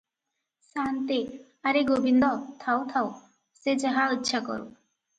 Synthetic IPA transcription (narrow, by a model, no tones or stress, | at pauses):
sant̪i | aɾeɡobind̪ɔt̪ʰawt̪ʰaw | sed͡ʒaɦaitːʃʰakɔ̰ɾṵ